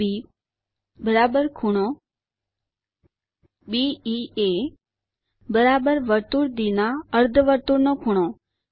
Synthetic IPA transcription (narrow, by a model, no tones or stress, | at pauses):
iː | bəɾaːbəɾkʰuɽ̃o | biːiːe | bəɾaːbəɾʋəɾt̪uːɾd̪inaəɾd̪ʱʋəɾt̪uːɾnokʰuɽ̃õ